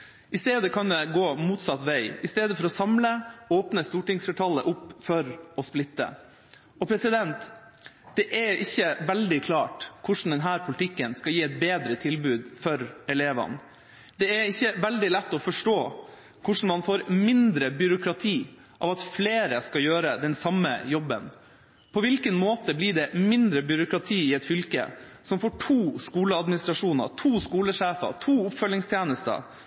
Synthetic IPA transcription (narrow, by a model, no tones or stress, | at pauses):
ʔɪst̪eːd̪əkʰɑnd̪ɛɡoːmuːt̪sɑt̪ʋæɪɪst̪eːd̪əfɔɾɔsɑmləoːpnəst̪uːʈɪŋsfɛʈʰɑlːəʔʊpːfɔɾɔsplɪt̪ːə̰ | ɔpʰɾɛsɪd̪ɛnt̪ | d̪̥ɛʔɛɪçːəʋɛld̪ɪkʰlɑːʈkʰʊʂn̩d̪ɛnɦæːɾpʰʊlɪt̪ʰɪkːənskɑljiːɛɪt̪̚beːd̪ɾət̪ʰɪlbʉːd̪fɔɾɛleːʋɑ̰n | d̪ɛɛɪçːəʋɛld̪ɪlɛt̪ːɔfɔʂʈoː | kʰʊʂɳ̩mɑnfoːɾmɪnd̪ɾəbʏɾʊkɾɑt̪ʰiː | ʔɑ̰ʋɑt̪fleːɾəskɑjøːɾəd̪ɛnsɑmːə̰jɔbːə̰n | pʰɔʋɪlkənmoːt̪əblɪɖɛmɪnd̪ɾəbʏɾʊkɾɑt̪ʰiːɪɛt̪fʏlkə̰sɔmfoːʈʰuːskuːləɑd̪mɪnɪst̪ɾɑʂuːnə̰ɾtʰuːskuːləʂeːfɑ̰t̪ʰuːʊpfœlːɪŋst̪ʰjeːnəst̪ə̰